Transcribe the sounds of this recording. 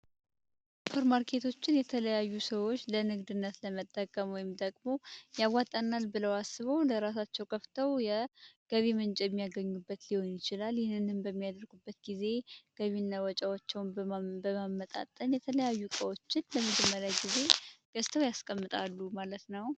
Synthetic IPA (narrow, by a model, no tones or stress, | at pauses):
fʰəɾmaɾkʰe̞t̪ʰo̞t͡ʃːɪnjɛt̪ʰələjajːusəwo̞t͡ʃːlənɨɡd̪ɨnːət̪ləmət̪ʼːəkʼːəmwɔjɪmd̪ʼəɡʼmo̞jawːat̪ʼənːalbɨləwasːɨβəwləɾasat͡ʃːɛwkʰəft̪ʰəwjɛɡ̥əβimɨnt͡ʃʼjɛmːijaɡəɲːubːət̪liho̞njɪt͡ʃɪlaljɪhɨnːɨnhɨnbəmːijad̪əɾɡubːət̪ɡize̞ɡ̥əβinːawɔt͡ʃʼawat͡ʃːɛwnbəmamːət̪ʼa̰t̪ʼːənjɛt̪ʰələjajːukʼəwo̞t͡ʃːɪnləmɨd͡ʒəmːəɾaɡize̞ɡ̥əst̪ʰəwjaskʼəmːɨt̪ʼalːumalət̪nəw